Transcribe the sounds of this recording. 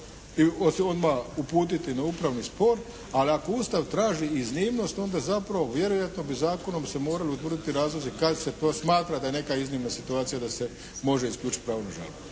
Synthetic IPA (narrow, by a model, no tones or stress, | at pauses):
ioso̞d̪maupuːt̪̬it̪inaupɾaʋnispo̞ɾ | aliako̞ust̪aʋt̪ɾaːʒiːzniːmno̞st̪o̞nd̪azapɾaʋo̞ʋje̞ɾo̞jat̪no̞bizaːko̞no̞mse̞mo̞ːɾaliut̪ʋr̩d̪it̪iɾaːzlˠozikad̪set̪oːsmaːt̪ɾad̪aje̞ne̞kaiznimnasit̪uaːt̪sijad̪ase̞ | mo̞ʒeiskʎʲuːt͡ʃit̪̚ʲpɾaːʋonaʒa̰ːbot